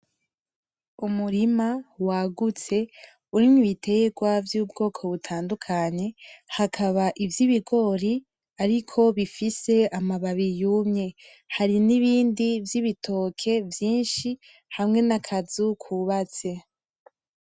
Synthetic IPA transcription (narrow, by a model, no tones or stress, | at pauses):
umuɾimawaɡut͡se̞ | uɾiniβite̞ɡwavjuːbɡo̞ːkʰo̞βutʰaːndukʰaɲe̞hakʰaβaʔivjiβiɡo̞ɾi | aɾikʰo̞βifise̞amaβaβijumɲe̞ | haɾiniβiːndivjiβitʰo̞ːkʰe̞vjiːnʃi | hamŋe̞nakʰazukʰuβat͡se̞